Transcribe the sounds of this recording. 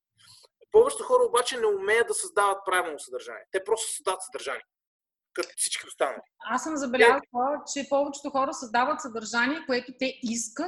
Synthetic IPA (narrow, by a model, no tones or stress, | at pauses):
pɔvɛt͡ʃɛ̥t̪ʊxɔɾəobat͡ʃɛnɛʊmɛjəd̪d̪ɐsɐzd̪avət̪̚pɾavɛnosɐd̪ɐɾʒa̰nḭɛt̪ɛpɾɔst̪o̥sɐzd̪avət̪səd̪əɾʒaniɛ | kət̪ɛfsi̥t͡ʃkʲiost̪anə̰liasəmzɐbɛljazət͡ʃɛpɔvɛt͡ʃɛ̥t̪ʊxɔɾəsɐzd̪avət̪sɐd̪ɐɾʒaniɛkoɛt̪ot̪ɛiskə